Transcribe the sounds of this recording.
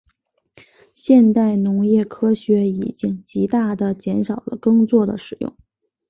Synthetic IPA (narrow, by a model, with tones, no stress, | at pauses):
ɕjɛ˥˧nt̪a˥˩ɪnʊ˧˥ŋjɛ˥˩kʰɤ˥ɕɥɛ˧˥ḭ˨˩t͡ɕi˥ŋt͡ɕi˧˥t̪a˥˩d̪ə˩t͡ɕjɛ˧˥nʂɑ˨˩ʊlə̰˦kɤ˥ŋt͡swɔ˥˩d̪ə̰˩ʂɻ̩˨˩jʊ̰˥˩ŋ